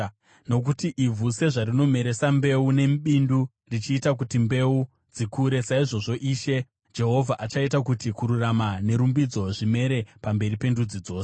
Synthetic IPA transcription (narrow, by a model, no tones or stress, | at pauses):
no̞k̬utiʔivʱuse̞ʐaɾino̞me̞ɾe̞sambe̞une̞mɓindu | rit͡ʃiːtak̬utimbe̞u | d͡zikuːɾe̞saiʐo̞ʐo̞ʔiːʃe̞ | d͡ʒe̞ɦo̞vʱaʔat͡ʃaitakutikuɾuramane̞ɾumbid͡zo̞ʐime̞ɾe̞pambe̞ɾipe̞ndud͡zid͡zo̞ːse̥